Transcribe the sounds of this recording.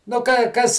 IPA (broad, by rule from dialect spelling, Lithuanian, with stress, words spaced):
nʊ kɐɪ ˈkɐs